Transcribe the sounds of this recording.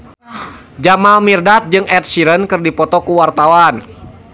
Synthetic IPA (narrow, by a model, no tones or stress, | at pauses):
d͡ʒamalmirdat̪̚d͡ʒɨŋɛt̪̚siɾənkɨrdipɔt̪ɔkuwart̪awan